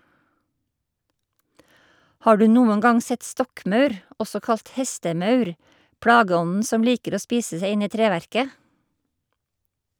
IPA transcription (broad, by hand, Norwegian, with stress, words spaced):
ˈhɑː ˈɖʉː ˈnuːən ˈɡɑŋ ˈsɛt ˈstɔkˌmœʉɾ ˈʔɔsɔ ˈkɑlt ˈhɛstəˌmœʉɾ ˈpɽɑːɡəˌɔnn̩ ˈsɔm ˈliːkəɾ ˈoː ˈspiːsə ˈseɪ ˈɪn ˈiː ˈtɾeːˌʋæɾkə